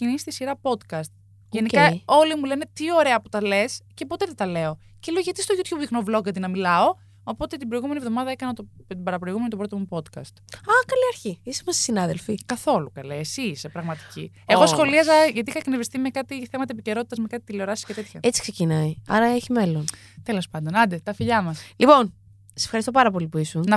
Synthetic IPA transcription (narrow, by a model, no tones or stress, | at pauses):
cinisi̥t̪isiɾɐpo̞t̪kɐst̪ | enikɐo̞limulene̞t̪io̞ɾe̞ɐput̪ɐle̞sce̞po̞t̪eðet̪ɐle̞o | celeoʝɐt̪ist̪oʝut̪çubixnoblo̞ɣɐt̪̬inɐmilɐo̞ | opo̞t̪et̪ibɾo̞jɣume̞nievðo̞mɐðɐekɐnɐt̪ot̪ibɐɾɐpɾoiɣumenot̪obɾot̪omupo̞t̪kɐ̰st̪ɐkɐliɐɾçiisemɐsi̥sinɐðelfikɐθo̞lukɐlesiːsepɾɐɣmɐt̪i̥cieo̞sxo̞liɐzɐʝɐt̪iixɐknevist̪ime̞kɐt̪iθe̞mɐt̪ɐepiceɾo̞t̪i̥t̪ɐzmekɐt̪i̥t̪ileoɾɐsi̥scet̪e̞t̪çɐet͡si̥kse̞cinɐiɐɾɐeçimelon | t̪elo̞spɐnd̪o̞nɐnd̪et̪ɐfiʎɐmɐslipo̞n | sese̥fxɐɾist̪opɐɾɐpo̞lipuisunɐ